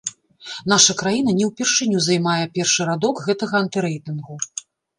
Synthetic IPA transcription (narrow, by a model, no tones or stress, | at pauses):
n̪aʂɐkɾajinɐnʲɛwpʲɛrʂɨnʲuzajmajɛpʲɛrʂɨɾad̪ɔkɣɛt̪ɐɣɐɐnt̪ɨɾɛjt̪ɨnɣu